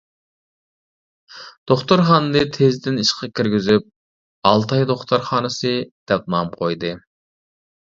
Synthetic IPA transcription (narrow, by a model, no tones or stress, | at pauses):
d̪̥oχt̪oɾχɑnd̪ɨt̪ʰezd̪ɪniʃqʰɑkʲʰiɾɡʲizyp̚ | ɑlˠt̪ʰɑjd̪oχt̪ʰɑɾχɑːnɨsɨd̪̥ɛp̚nɑmqʰojd̪ɨ